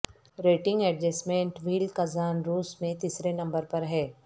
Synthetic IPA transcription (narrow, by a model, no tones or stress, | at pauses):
ɾeːʈɪ̃ŋɡɛːɖd͡ʒɛsmẽːɳʈʋiːlkɐzaːnɾuːsmẽt̪iːsɾenɐ̃mbəɾpɐɾɦɛː